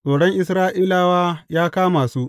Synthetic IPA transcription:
soː˨ɽɔ˦ŋʔɪ˦sɾaː˦ʔiː˦laː˨waː˦jaː˦kaː˦maː˨suː˦ʔ

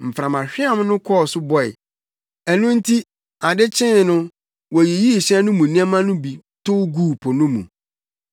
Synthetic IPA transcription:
m̩˨fɾã˨mã˨ɕᶣɪ˦a˦˨m˦nʊ̃˦kʰɔ˦˨sʊ˦bɔ˦ɛ̰˨ | æ˨nũ˦n̩˦tʰi˦ | a˨dɪ˦t͡ɕʰɪ̃˦˨nʊ̃˦ | wɔ˨ji˨ji˦˨ɕɛ̃˦nʊ̃˦mũ˨nĩ˦a˦mã˦nʊ̃˦bi˨tʰʊ˦ɡuː˦˨pʰʊ˨nʊ̃˦mṵ̃˨

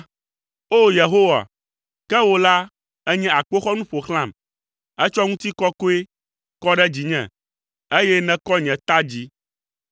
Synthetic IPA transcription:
o˦je˨ɦo˦wa̰˨ | kɛ˦wo˦la˦ | ɛ˦ɲɛ̃˦a˨k͡po˦xɔ˦nũ˦ɸo˨xl̃ã˦˨m | ɛ˦t͡ʃɔ˦ŋũ˦t̪i˦kɔ˦ko˦e˦ | kɔ˦ɖɛ˦d͡ʑi˨ɲɛ̰̃˨ | e˦jɛ˦nɛ̃˦kɔ˦ɲɛ̃˨t̪a˦d͡ʑi˦

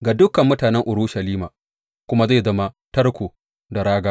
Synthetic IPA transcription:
ɡaː˨dʊ˦kɐ˨mːʊ˦taː˨nɛ˦ŋʔʊ˨ɾʊː˦ʃɐ˨liː˦ma̰ː˨ | kʷʊ˦ma˦za˦˨zɐ˦ma˦ | tɐ˦rkʷoː˨ | da˨ɽaː˦ɡaː˦

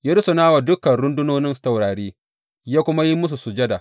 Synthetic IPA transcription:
jaː˦ɾɪ˦sʊ˨naː˦wa˨dʊ˦kɐ˨nɽʊ˦ndʊ˦noː˦nɪ˦nsa˨wɽaː˨ɽeː˦ | jaː˦kʷʊ˦ma˦ji˦mʊ˦s̬u˨sʊ˨d͡ʒɐ˦da˨

